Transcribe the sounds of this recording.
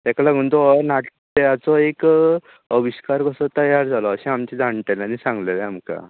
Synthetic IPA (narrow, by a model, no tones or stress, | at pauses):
t̪ɛkalaɡuɳt̪ɔnaʈt̪jat͡sɔek | əʋiɕkaɾkəsɔt̪əjaɾd͡zʱalɔːɕɛ̃amt͡ɕid͡zʱaɳʈelanisãŋɡlelɛamka̰